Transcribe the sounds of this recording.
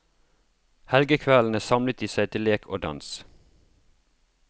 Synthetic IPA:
hɛlɡəkʰʋæln̩əsɑmlət̪iːsæɪt̪ʰɪleːkʰoːd̪ɑ̰ns

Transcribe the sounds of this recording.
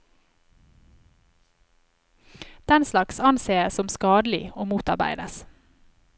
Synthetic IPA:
d̪̥ɛnslɑksɑnseːəsɔmskɑːd̪l̩ɪ̰oːmuːt̪ɑɾbæ̰ɪd̪əs

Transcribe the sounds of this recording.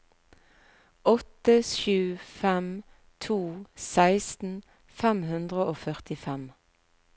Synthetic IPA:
ʔɔt̪əʃʉːfɛm | t̪ʰuːsæɪst̪n̩ | fɛmhʉnd̪ʁəoːfœʁt̪ɪfɛm

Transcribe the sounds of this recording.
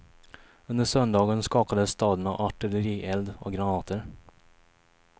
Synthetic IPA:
ɵnd̪əʂœnd̪ɑːɡənskɑːpad̪əsːt̪ɑːd̪əɳa̰ʔaʈɪləɾiːʔɛld̪ɔ̰kɡɾanɑːt̪ʰəɾ

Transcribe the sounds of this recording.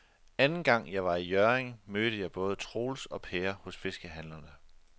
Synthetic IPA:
ænn̩ɡ̥ɑ̈ŋ̰jɑ̈ɪʋɑ̈ijɶɐeŋmøːd̥əjɑ̈ɪb̥ɔ̽ːð̞ˠət͡sʰʁo̝ːlsɒ̽pʰeːɐhɔ̽sfe̝sɡ̥əɦænlɐnə

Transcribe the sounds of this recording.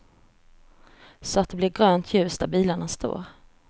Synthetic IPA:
sɔat̪̚d̪ɛblɪɾɡɾøːnt̪ʰjʉ̟ːst̪d̪æɾbiːlaɳast̪o̰ːɾ

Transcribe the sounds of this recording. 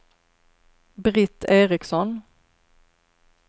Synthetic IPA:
bɾɪt̪ʰːeːɾɪksɔn

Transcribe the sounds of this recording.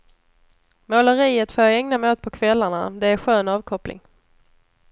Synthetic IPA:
moːləɾiːət̪foːjɑɛŋnamoːt̪̚pʰɔkʰvɛlːaɳad̪ɛæɾɧøːnɑːvkʰɔplɪ̰ŋ

